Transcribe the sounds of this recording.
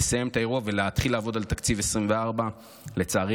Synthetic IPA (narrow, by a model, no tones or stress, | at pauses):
esaje̞mt̪ae̞ʁuave̞leat̪χilaːvo̞d̪alt̪akt͡sive̞sʁimveaʁba | le̞t͡saːʁi